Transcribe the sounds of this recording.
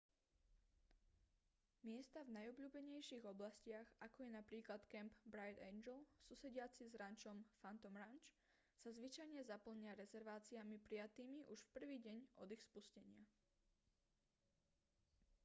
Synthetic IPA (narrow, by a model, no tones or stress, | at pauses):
mɪɛst̪avnajɔbʎuːbɛɲɛjʃiːɣɔblascɪaɣakɔjɛnapɾiːklat̪kɛmbbɾajt̪ɛnd͡ʒɛlˠsusɛɟɪat͡sizɾant͡ʃɔmfant̪ɔmɾant͡ʃ | sazʋit͡ʃajɲɛzapl̩ɲɪaɾɛzɛɾʋaːt͡siamipɾijat̪iːmiʔuʃfpr̩ʋiːɟɛɲʔɔ̰d̪ixspuscɛɲɪa